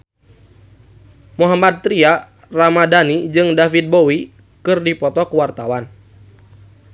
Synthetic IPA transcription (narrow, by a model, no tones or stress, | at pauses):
muɦamat̪̚t̪ɾia | ramadanid͡ʒɨŋdafit̪̚bowi | kɨrdipɔt̪ɔkəwart̪awan